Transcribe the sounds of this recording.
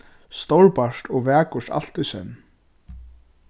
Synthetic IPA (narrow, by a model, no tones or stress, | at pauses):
st̪owlpaʂt̪ʰɔɣvɛːkʊsa̰l̥t̪ʏsɛ̰n